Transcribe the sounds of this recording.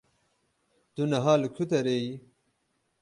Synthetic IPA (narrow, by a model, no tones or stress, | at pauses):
d̪̥unɐɦaːlukʰut̪̬ɐɾei